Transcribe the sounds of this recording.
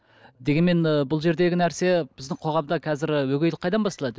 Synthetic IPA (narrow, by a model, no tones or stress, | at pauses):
d̪e̞ɡʲe̞nmenəbʊlˠʒe̞ɾd̪e̞ɡʲɪnæɾse̞b̥ɪzd̪ɪŋqʰo̞ʁɑmd̪ɑkʲʰæzɪɾwɵɡʲejlɪqʰːɑjd̪ɑnbɑst̪ɑlˠɑd̪ə